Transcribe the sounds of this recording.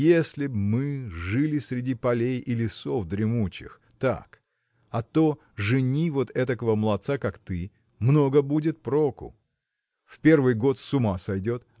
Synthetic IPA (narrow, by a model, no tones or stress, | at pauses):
jesʲlʲɪbmɨʐɨlʲɪsʲɾʲɪdʲipɐlʲejɪlʲɪso̞fd̪ɾʲɪmut͡ɕɪ̰x | t̪a̰k | ɐt̪o | ʐɨnʲivo̞t̪ɛt̪əkəvəmlˠɐt̪sakakt̪ɨ | mno̞ɡəbudʲɪt̪̚pɾo̞kʊ̰ | fpʲe̞rvɨjɡo̞t̪sʊmasɐjdʲo̞t̪